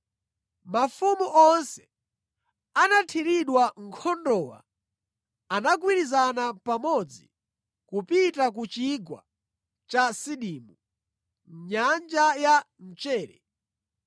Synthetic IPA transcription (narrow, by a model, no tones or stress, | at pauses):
mafumuʔɔnsɛ̥ | anatʰiɾiɗwaŋ̩kʰɔndɔːwa̰ | anak̬wiɾizanapamɔd͡zḭ | kupitak̬ut͡ʃiɡwa̰ | t͡ʃasiɗiːmu | ɲand͡ʒaja | n̩t͡ʃɛːɾɛ̰